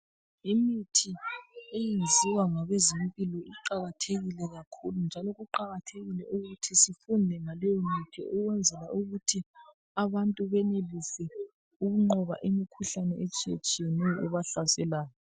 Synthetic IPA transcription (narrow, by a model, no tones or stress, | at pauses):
imitʰiejend͡zʱiwaŋaɣezimpʼilɔiǃaɣatʰeɣilɛɣakʰulund͡ʒʱalɔɣuǃaɣatʰeɣilɛʔuɣutʰisifundʱɛŋalɛjɔmitʰḭʔuɣwɛnd͡zʱɛlauɣutʰi | aβantʼuβɛnelisɛ | uɣuŋ͡ǃɔβa̰ʔimikʰuɬanɛɛt͡ʃʼet͡ʃʼiniuβaɬasɛlaːjɔ